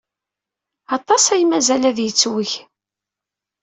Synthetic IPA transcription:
ɑt̪ˤːɑsæjmæzælæðjət͡sːwəç

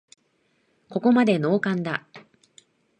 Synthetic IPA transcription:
ko̞ko̞mad̪e̞no̞ːkãnd̪a

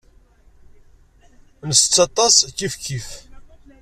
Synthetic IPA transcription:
nəst͡sːɑt̪ˤɑskːifkʰif

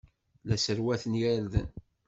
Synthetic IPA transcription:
læsəɾwæθənjæɾðə̰n

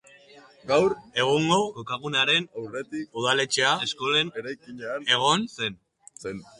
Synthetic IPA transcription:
ɡawɾe̞ɣ̞uŋɡo̞kokaɣ̞unaɾe̞nawret̪ikuð̞ale̞t͡ʃeaesko̞le̞neɾajkiɲaane̞ɣ̞o̞nse̞n | sen

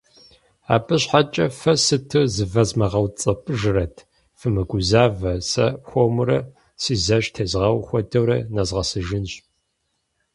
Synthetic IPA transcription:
a̰ːbɨɕħat͡ʃʼɐfɐsɨtʰɨzɨvɐzmɐʁɐwt͡sʼɐpʼɨʒɨrɐtʰ | fɨmɨɡʷʊzaːvɐsɐ̰pxʷomɨɾɐ | sizɐʒtʰeːzʁɐwxʷɔdɐwɾɐnɐzʁɐsɨʒɪnɕ

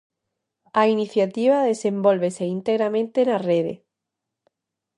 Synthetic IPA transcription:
ainiθjat̪iβ̞aðe̞se̞mbolβeseint̪eɣɾamẽnt̪enareðḛ

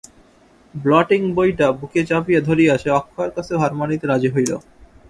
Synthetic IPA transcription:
blɔʈiŋbojʈabuket͡ɕapijad̪ʱoɾijeaʃʰeɔkʰːoaɾkat͡ɕʰeɦaɾmanit̪eɾad͡ʑiɦojlo̰

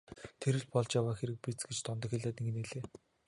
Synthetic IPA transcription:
t̪ʰeɾɘ̆ɮpɔɮt͡ɕjawaːxeɾɘ̆k̚pit͡sɡet͡ɕt̪ʰɔnt̪ɞ̆xeɮʲaːt̪iŋɡɘ̆neɮeː

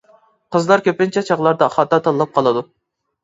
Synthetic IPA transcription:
qʰəzlˠɑɾkʲʰøpɪnt͡ʃʰɛt͡ʃʰɑʁlˠɑɾd̪ɑχɑt̪ɑt̪ʰɑlːˠɑp̚qʰɑlˠɨd̪u

